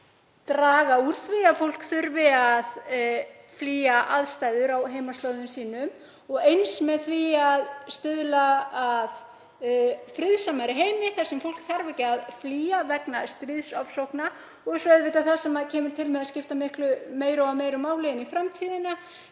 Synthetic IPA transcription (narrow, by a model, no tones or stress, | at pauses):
t̪ɾaːɣauɾ̥t̪vɪafowl̥kθʏɾvɪað | fliːaʔaðst̪aːjðʏɾawɦejmast̪lœːwðʏmsiːnʏm | ɔɣejnsmɛðθviaðst̪ʏðlaað | fɾɪðsamaɾɪɦejmɪθaɾsɛmfowl̥kθaɾvɛcɪaðfliːavɛknast̪ɾɪðsɔfsowhkna | ɔɣsɔɛðvɪt̪aθasɛmacʰɛːmʏɾ̥t̪ʰɪlmɛðascɪft̪amɪhklʏmeːjɾaawmeːjɾʏmaːwlɛðɪnifɾamt̪ʰiːðɪna